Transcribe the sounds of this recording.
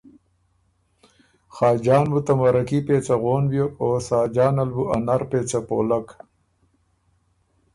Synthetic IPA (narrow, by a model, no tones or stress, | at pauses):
xɑːd͡ʒɑːnbut̪amaɾakipeːt͡saɣoːnbjoosɑːd͡ʒɑːnalbuanaɾpeːt͡sapoːlak